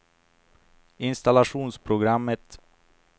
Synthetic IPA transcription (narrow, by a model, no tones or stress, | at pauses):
ɪnst̪alaɧuːnspʰɾʊɡɾamːət̪